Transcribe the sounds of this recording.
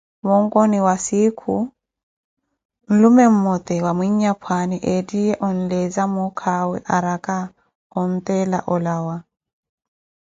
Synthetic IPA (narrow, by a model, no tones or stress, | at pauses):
mɔŋkɔniwasikʰu | n̩lumɛm̩mɔt̪ɛwamwiɲɲapʰwaniʔediɛʔɔn̩lɛzamukʰawɛʔaɾakʼa | ɔn̩t̪ʼɛla̰ʔɔlaːwa